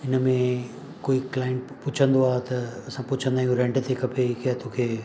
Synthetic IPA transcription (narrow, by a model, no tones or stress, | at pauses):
ɪnə̆mẽ | koːiklaːə̃ɳʈpʊt͡ɕʰə̃nd̪oaːɦt̪ɐɐsãpʊt͡ɕʰə̃nd̪aːijũɾɛ̃ɳɖt̪ʰekʰɐpʰeikat̪oːkʰeː